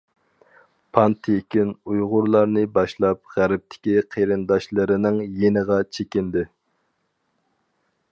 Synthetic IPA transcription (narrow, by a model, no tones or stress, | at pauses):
pʰɑnt̪ʰekʲinujʁʊɾlˠɑɾnɨbɑʃlˠɑp̚ʁæɾɪp̚t̪ʰɪ̥kʲiqʰeɾɪnd̪ɑʃlˠɨɾɪnɪŋjenəʁɑt͡ʃʰekʲind̪ɪ